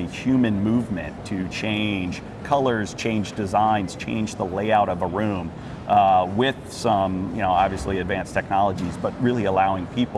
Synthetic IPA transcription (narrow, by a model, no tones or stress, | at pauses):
ɨhjʉmɨ̃nmuvmɨ̰̃ntʰɨt͡ʃʰẽɪ̃nʒ̥ | kʰʌlˠə˞z̥t͡ʃʰẽɪ̃nd͡ʒdɨzãɪ̃nz̥t͡ʃʰḛ̃ɪ̃nd͡ʒðəleɪaʊɾʌvəɹʉ̃m | wɪð̥sʌ̃mjɨnoʊɑbviɨsliɨdvæ̃nstʰɛk̚nɑlˠəd͡ʒizbʌt̚ɹɪlˠiəlaʊɪ̃ŋpʰip